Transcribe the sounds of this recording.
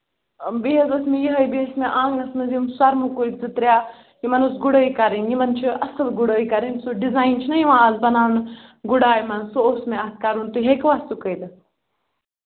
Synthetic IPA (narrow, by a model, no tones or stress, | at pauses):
biɦezɐsmijiɦəjbiɦesmiʔãːŋɡnɐsmɐzimswɐɾmukuikd͡zɨt̪ɾʲjaː | jimɐnusɡuɽəːikaɾinjimɐnt͡ʃʰiʔɐsəlɡuɽəːikaɾinsuɖizaːjnt͡ʃʰinɐjiʋãazbɐnaːʋnɡuɽaːjmɐnsoosmeat̪̚kaɾunt̪uɦekʋaːst̪ukəjd̪